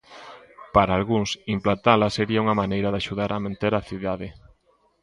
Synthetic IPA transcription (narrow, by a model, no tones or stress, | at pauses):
paɾaːlɣuŋsimplant̪alɐseɾiauŋɐmanejɾaðaʃuðaɾʔamẽnt̪eɾaθiðaðɪ